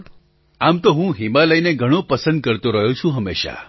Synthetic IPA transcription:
amt̪oɦũɦimaləjneɡʱəɽ̃õpəsə̃nd̪̚kəɾt̪õɾəɦjõt͡ʃʰũɦəmːeʃa̰

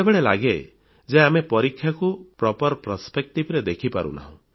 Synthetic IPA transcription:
ebeɭelaɡe | d͡ʒeamepɔɾikʰːjakupɾɔpɔɾpɾɔspek̚ʈibɾed̪ekʰipa̰ɾṵ̃na̰ɦɔ̰̃

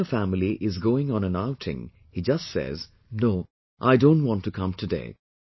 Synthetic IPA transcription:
əfæml̩ˠiʔɪzɡoʊɪ̃ŋə̃nə̃naʊtʰɪ̰̃ŋ | hid͡ʒʌstsɛ̰z | noʊ | ʔaɪdõʊ̃nt̚wɑ̃ntʰɨkʰʌ̃mtʰɨdḛɪ

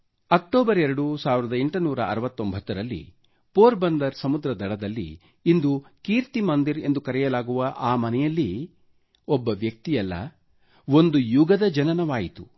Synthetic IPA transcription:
ɐk̚ʈoːbɐɾɛɾɐɽusaːʋiɾɐd̪ɐe̞ɳʈunuːɾɐɐ̰ɾɐʋɐt̪ːombʱɐt̪ːɐɾɐlːḭ | poːɾbɐnd̪ɐɾsɐmud̪ɾɐd̪ɐɽɐd̪ɐlːḭː | nd̪ukiːɾt̪imɐnd̪iɾe̞nd̪ukɐɾɛjɐlaːɡuʋɐʔaːmɐnɛjɐlːi | ɔbːɐʋjɐk̚t̪ijɐlːɐ̰ | ʋo̞nd̪ujuɡɐd̪ɐd͡ʒɐnɐnɐʋaːjit̪u

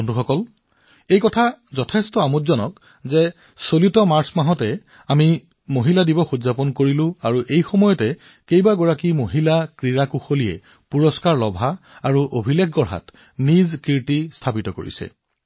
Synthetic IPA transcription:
ɔnduxɔkɔl | ejkɔtʰazɔtʰɛstɔamutzɔnɔk | zɛ | solitɔmaɹsmaɦɔtɛ | ami | moɦiladibɔxuzapɔnkoɹilʊ̃aɹuʔejxɔmɔjɔtɛ | kejbaɡɔɹakimoɦilakɹiɹakuxoliɛ̰ | puɹɔskaɹlɔbʱaːɹuʔobʱilekʰɡɔɹɦa̰t | nizkiɹtistʰapitɔko̰ɹḭsɛ̰

